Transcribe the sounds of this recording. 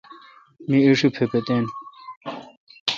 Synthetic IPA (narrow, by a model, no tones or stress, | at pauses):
miəʂupʰepet̪en